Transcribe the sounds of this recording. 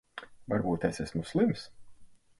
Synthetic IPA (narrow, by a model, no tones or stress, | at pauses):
vaɾbuːt̪ɛsæsmuslˠims